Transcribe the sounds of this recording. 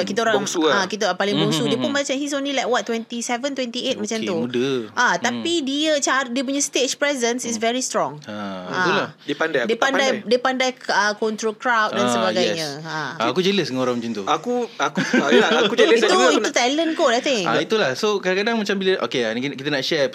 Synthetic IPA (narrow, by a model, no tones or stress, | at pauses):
akit̪aoɾãŋakit̪əpalɪŋbusudiəpunmat͡ʃãnhis̬onĩlajkwat̪̚ːwɛnt̪isɛvənt̪wɛ̃nt̪iet̪̚mat͡ʃamt̪umudəʔat̪apidiət͡ʃaɾdiəp̬uɲəst̪et͡ʃpɹɛzənsisvɛɹist̪ɾɔ̃ŋaauladiəpandajdiəpandajdiəpandajəkɔnt̪ɾokɾawt̪̚dansəbaɡajɲsə̃aːkud͡ʒələs̬dəŋoɾãmd͡ʒint̪uakuakakuit̪uit̪ut̪ɛlənkotajt̪ɪ̃ŋit̪ulahsokadãkadaŋmat͡ʃambiləʔo̰keakkit̪ənaʔʃɛ